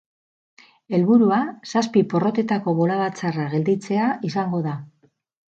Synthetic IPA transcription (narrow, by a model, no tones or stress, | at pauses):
e̞lβuɾuasaspipo̞ro̞t̪e̞t̪ako̞βo̞laβ̞at͡saraɣe̞ld̪it͡se̞aʔisaŋɡo̞ða